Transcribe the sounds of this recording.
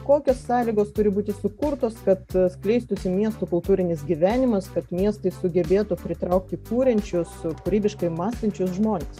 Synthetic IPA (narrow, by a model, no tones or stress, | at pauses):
koːkʲoːsːɑːlʲiːɡoːst̪ʊɾʲɪbuːt̪ʲɪsʊkʊɾt̪oːskɐt̪sklʲɛɪst̪ʊsʲɪmʲiɛst̪ʊkʊlˠt̪uːɾʲɪnʲɪsɡʲiʋʲæːnʲɪmɐskɐt̪mʲiɛst̪ɐɪsʊɡʲɛbʲeːt̪ʊpʲɾʲɪt̪ɾɐʊk̚t̪ʲɪkuːɾʲɛnʲt͡ʃʲʊskʊɾʲiːbʲɪʃkɐɪmɑːsʲt̪ɐnʲt͡ʃʲʊsʒmoːnʲes